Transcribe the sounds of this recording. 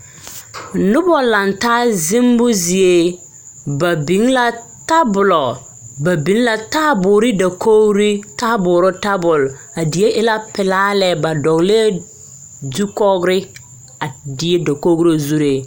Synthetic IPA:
nʊ˦bɔ˨la˨ntaː˦zɪ˦mbʊ˦zi˨e˦ | ba˨bi˨˦ŋla˦ | ta˦bʊ˨lɔ˨ | ba˨bi˨˦nla˦taː˦bʊː˨ɾɪ˦da˨kʰo˦ɡɾi˦ta˦bʊː˨ɾʊ˦ta˦bʊ˨l | a˨di˨˦e˦ʔɪ˦la˦pɪ˨laː˦lɛ˨ba˨dɔ˨ɣle˦ | du˦kɔ˦ɡɾɪ˦ | a˨di˨e˦da˨ko˦ɡɾo˦zu˦ɾe˨

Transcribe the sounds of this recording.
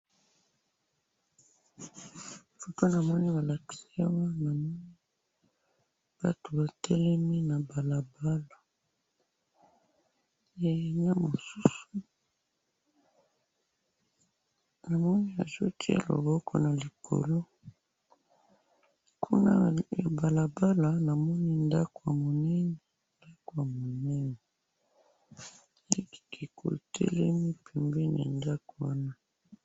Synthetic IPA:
fo˨to˦na˨mɔ˦ni˦ba˨la˨ki̥˨si˦a˦wa˦na˨mɔ˦ni˦ | b̥a˨to˨ba˨tʰɛ˦lɛ˦mi˦na˨ba˨la˨ba˦la˨ | ja˨ɲa˦mo˨su˦su˨ | na˨mɔ˦ni˦a̰˨zo̰˦tʰi˦a̰˨lo̰˨bɔ˦kʰɔ˨na˨li˨bo̰˨lo˦ | kʰu˦na̰˦ja˨ba˨la˨ba˦la˨na˨mɔ˦ni˦nda˦ko˨ja˨mo˨nɛ˦nɛ˨ | nda˦ko˨ja˨mo˨nɛ˦nɛ˨ | e˦ki˨ke˨ko̰˨tʰɛ̰˦lɛ˦mi˦pʰɛ˨mbɛ˦n˨a̰˨nda˦ko˨wa˦na˦

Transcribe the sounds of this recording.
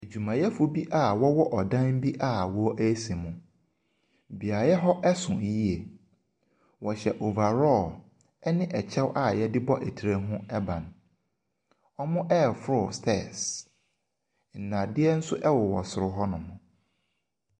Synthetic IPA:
e˨d͡ʑu˨mã˨jɛ˦fʊ˨bi˦ʔa˦˨wɔ˦wɔ˦ʔɔ˨dã˦n˦bi˦ʔa˦wɔ˨˦ʔæ˦se˨mʊ̃˨ | bi˨a˨jɛ˦ɦɔ˦ʔɛ˦sʊ̃˨˦ji˦e˨ | wɔ˨ɕɛ˨ʔo˨va˨ɾɔ˦˨ | ɛ˦nɪ̃˦ʔɛ˨t͡ɕʰɛ˦wʔa˦˨jɛ˦dɪ˦bɔ˦ʔe˨tʰi˨ɾe˦ɦʊ̃˦ɛ˦bã˨n | ɔ˦mʊ̃˦ʔɛ˦˨fɾʊ˨stʰɛ˦˨s | n̩˨nã˨dɪ˦ɛ˦n̩˦sʊ˦ʔɛ˦wɔ˨wɔ̰˨sʊ˨ɾʊ˦ɦɔ˦nʊ̃˨mʊ̃˨

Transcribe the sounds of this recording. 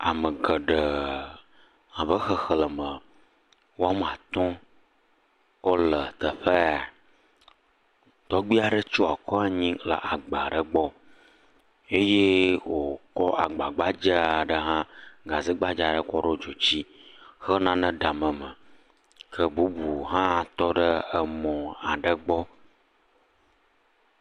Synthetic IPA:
a˨mə˨ɡə˨ɖə˨ | ã˨bə˦xə˦xə˦lə˨mə̃˨ | wo˦a˦m˦˨ã˨t̪ɔ̃˦ | wo˦lə˨t̪ə˨ɸe˦a˨ | t̪ɔ˦ɡ͡bi˦a˨ɖə˦t͡ʃo˦a˨kɔ˦a˦ɲĩ˦la̰˨ʔa˨ɡ͡ba˨ɖə˨ɡ͡bɔ˦ | e˦je˦wo˨kɔ˦ʔa˨ɡ͡ba˨ɡ͡ba˦d͡ʒə˦a˨ɖə˦ɦã˦ɡa˨zi˦ɡ͡ba˦d͡ʒa˨ɖə˦kɔ˦ɖo˦d͡ʒo˨t͡ɕi˦xə˦nã˦nə̃˦ɖa˨mə̃˨mə˨ | kʰə˦bu˨˦bu˨ɦã˦˨t̪ɔ˦ɖə˦ə˨mɔ̃˨a˨ɖə˦ɡ͡bɔ˦

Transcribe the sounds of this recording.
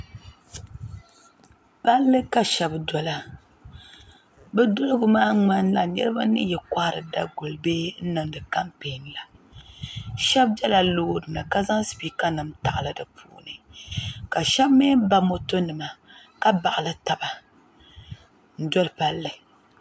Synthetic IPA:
pa˦lːɨ˦ka˦ʃɛ˦bdɔ˨la˦ | bɛ˦dʊ˦lɨ˦ɡʊ˦maː˦ŋ͡ma˦n˦la˨nɛ̰˦ɾɨ˦ba˦nɨ̰˦jɛ˨kʷa˦˨ɾɨ˨da˦ɡʊ˨lbeː˦n̩˦nɨ˨ŋdɨ˨ka˦mpe˨n˦la˨ | ʃɛ˦b̚bɛ˦la˨loː˦dɨ˨nɨ˨ka˦za˦ŋsi̥˨biː˦ka˦nɨ˨mta˨ʔlɨ˨dɨ˨pʰṵː˦˨˦nɨ˨ka˨ʃɛ˦bme˦ba˦mo˦to˦nɨ˨ma˨ka˦ba˨ʔɨ˨lɨ˦ta˨ba˨ | n̩˦dɔ˦lpa˦lːɨ˨

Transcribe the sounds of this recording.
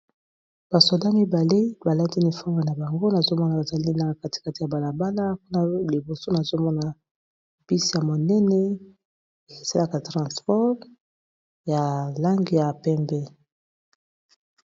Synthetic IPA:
b̥a˨so˨da˦mi˦ba˨le˦ba˨la˦ti˦ni˨fɔ˦me˨na˨ba˨ŋɡo˦na˨zo˦mɔ˦na˨ba˨za˨li˦na˨ka˦ti̥˨ka˦ti˨ja˨ba˨la˨ba˦la˦ku˦na˦li˨bo˨so˦na˨zo˦mɔ˦na˨ | b̥i˦sja˨mo˨nɛ˦nɛ˦ | e˨e˨sa˦la˦ka˨tʁɑ̃˨spɔ˦ʁ | ja˨la˦ŋɡi˨ja˨pɛ˦mbɛ˦

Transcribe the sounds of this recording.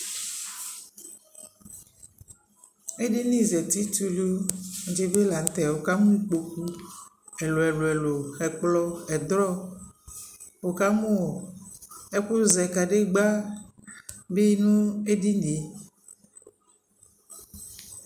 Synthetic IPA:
e˦ɖi˦nĩ˦zɛ˨t̪i˦t̪u˦lo˦˨˦d͡ʒe˦be˦la˨n˨t̪ɛ˨wo˨ka˦mũ˦i˦k͡po˨ku˦ | e˨lo˨ɛ˨lo˨ɛ˨lo˨ɛ˨k͡plɔ˦ɛ˨d̪ɾɔ˦ | wo˨ka˦mõ˦o˨ | e˦ɸu˦zɛ˨ka˨ɖe˦ɡ͡ba˦ | be˦nũ˦e˦ɖi˦n˨e˨

